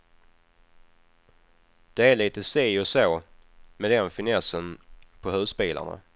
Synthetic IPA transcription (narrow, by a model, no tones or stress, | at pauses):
d̪̥ɛæɭiːt̪əseːɔsoːmɛd̪ɛnfɪnɛsənpʰɔɦœːspeːlʔa̰ɳa̰